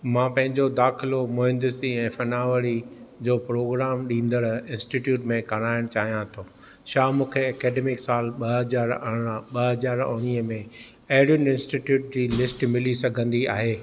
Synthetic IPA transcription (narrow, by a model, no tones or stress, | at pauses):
mãːpɐ̃ɦɪ̃ɲd͡ʑod̪aːxɪlomʊɦɪ̃nd̪ɪsiɛ̃ːfɐnaːʋəɾid͡ʑoːpɾoːɡɾaːmɗĩːnd̪əɽɪ̃nsʈiʈjuːʈmẽkɐɽ̃aːɪɽ̃t͡ɕaːɦijãt̪ʰoː | ʃaːmũːkʰeɐkɛːɖeːmɪksaːlɓɐɦd͡ʑaːɾɓɐɦɐzaːɾʊ̰ñiːəmẽ | ɐɦɪɽjʊnɪ̃nsʈiʈjuːʈ̚d͡ʑiːlɪsʈmɪlisɐɡʱə̃nd̪iaːɦeː